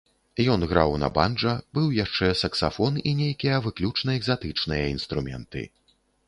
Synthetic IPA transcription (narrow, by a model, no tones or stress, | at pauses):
jɔnɣɾawnɐ̰ba̰nʐɐbɨwjaʂt͡ʂɛsɐksafɔninʲejkʲijɐvɨklʲut͡ʂnɐɛɡzat̪ɨt͡ʂnɨjɐinst̪ɾumʲɛ̰nt̪ɨ̰